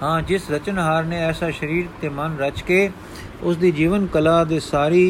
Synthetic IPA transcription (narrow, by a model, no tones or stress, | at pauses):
hãːd͡ʒɪsɾət͡ʃənɦaːɾneːɛːsaːʃəɾiːɾt̪eːmənɾət͡ʃkeː | ʊsd̪iːd͡ʒiːʋənkəlaːd̪eːsaːɾiː